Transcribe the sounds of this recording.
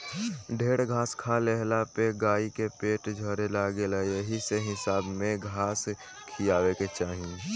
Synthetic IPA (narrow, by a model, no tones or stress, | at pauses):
ɖʱeːɽɡʱaːskʰaleɦlapeɡaːikepeːʈd͡ʒʱəɾelaːɡeləeɦiseɦɪsaːbmẽɡʱaːs | kʰiaːweket͡ʃaːɦĩ